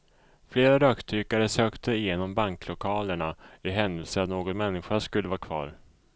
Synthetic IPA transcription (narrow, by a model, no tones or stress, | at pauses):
fleːɾaɾœːkt̪ʰyːkaɾəsøːkt̪ʰəɪjeːnɔmbaŋklʊkʰɑːləɳaɪɦɛnd̪əlsəɾat̪noːɡɔnmɛnːɪɧaʂkɵlːəvɑːkʰvɑ̰ːɾ